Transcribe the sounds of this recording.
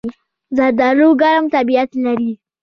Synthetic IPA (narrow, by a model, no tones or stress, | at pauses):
zad̪aluɡaɾamt̪abijat̪laɾi